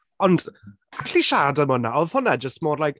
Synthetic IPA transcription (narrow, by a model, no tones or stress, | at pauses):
ɔnd | aɬiʃadəmɔnaɔðhʊnɛd͡ʒəstmɔːdlajk